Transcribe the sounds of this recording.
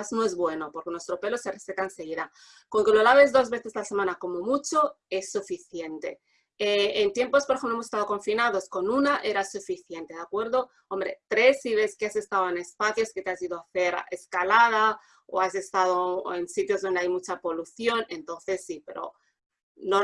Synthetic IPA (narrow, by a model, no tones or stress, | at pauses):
aznoezβwe̞no̞po̞ɾkenwest̪ɾo̞pe̞lo̞seresekaense̞ɣ̞iða | koŋke̞lolaβ̞e̞zðo̞zβe̞θe̞salse̞mãnako̞mo̞mut͡ʃo̞e̞sːufiθje̞nt̪e̞̰ | eent̪je̞mpospoɾexemploemose̥st̪aðokoɱfinaðo̞sko̞nunaʔe̞ɾasufiθje̞nt̪e̞ðakwe̞ɾð̞o̞ | o̞mbɾe̞̰t̪ɾe̞sːiβe̞skease̞st̪aðoene̞spaθjo̞sket̪easiðoaθe̞ɾeskalað̞a | o̰ase̞st̪aðoensit̪jo̞zðo̞nd̪eajmut͡ʃapo̞luθjo̞ne̞nt̪o̞nθe̞sːipe̞̰ɾo̰ | no